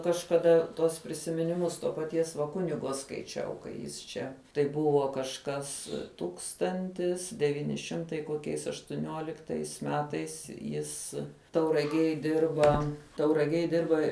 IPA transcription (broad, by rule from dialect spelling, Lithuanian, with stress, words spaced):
kɐʃkɐˈdɐ tuɔs pʲrʲɪsʲɪmʲɪnʲɪˈmʊs toː pɐˈtʲiɛs ʋɐ ˈkʊnʲɪɡoː skɐɪˈt͡ʃʲɛʊ kɐɪ ˈjɪs t͡ʃʲɛ tɐɪ ˈbʊʋoː kɐʃˈkɐs ˈtuːkstɐnʲtʲɪs dʲɛˈʋʲiːnʲɪ ˈʃʲɪmtɐɪ koːˈkʲɛɪs ɐʃtʊˈnʲuɔlʲɪktɐɪs ˈmʲæːtɐɪs ˈjɪs tɐʊrɐˈɡʲiɛj ˈdʲɪrbɐ tɐʊrɐˈɡʲiɛj ˈdʲɪrbɐ